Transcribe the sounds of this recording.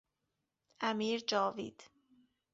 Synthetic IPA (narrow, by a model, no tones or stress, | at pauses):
ʔæmiːɾd͡ʒɒːvḭːd̪̥